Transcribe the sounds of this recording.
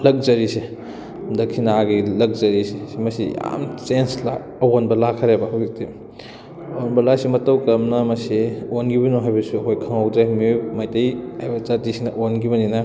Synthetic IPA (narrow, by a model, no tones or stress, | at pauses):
lɐk̚zɐɾise | dɐkʰinaaɡilɐk̚zɐɾisisimɐsija̰mt͡ʃensla | ɐwonbɐlakʰɐɾebɐɦɐwbik̚ti | wonbɐlasimɐtɐwkɐmnɐmɐsionɡibɐnuɦajbɐsuɐkʰojkʰɐŋawd͡ʒajmiojmajtɐjhajbɐzatisinɐʔonɡibɐninɐ